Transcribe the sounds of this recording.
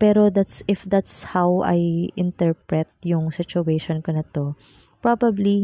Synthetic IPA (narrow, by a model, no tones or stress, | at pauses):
pɛːɾod̪at̪sʔɪfd̪at̪shawʔɐ̰jʔɪnt̪ɛɹpɹɛt̪̚jʊŋsɪt͡ʃʊʔejʃonkonɐt̪o̞ | pɹobɐbli